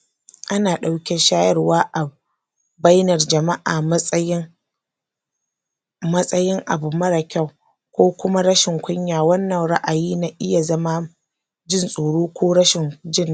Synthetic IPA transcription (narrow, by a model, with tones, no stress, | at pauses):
ʔa˦naː˨ɗa˨wkʲe˦ʃaː˦jɐ˦rwaː˦ʔa˨ | ba˦jnɐ˨rd͡ʒɐ˨ma˦ʔaː˨mʼ˦jɪ˦ŋ | mɐ˦sʼɐ˦jɪ˦ŋʔa˨bu˨mɐ˦ɽa˨kʲa˦˨w | kʷoː˦kʷʊ˦ma˦ɾɐ˦ʃɪ˨ŋkʷʊ˦ɲjaː˨wɐ˦nːɐ˨ŋɽa̰˦ʔa˨jiː˦na˨ʔɪ˦ja˨zɐ˦ma˦ | d͡ʒɪ˦nsʼoː˨ɽoː˦kʷoː˦ɽɐ˦ʃɪ˨nd͡ʒɪ˦n˦